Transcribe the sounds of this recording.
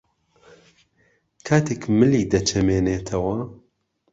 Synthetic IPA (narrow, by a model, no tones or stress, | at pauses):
kʰaːt̪ʰeːkmɨliːd̪ɐt͡ʃʰɐmeːneːt̪ʰɐwɐ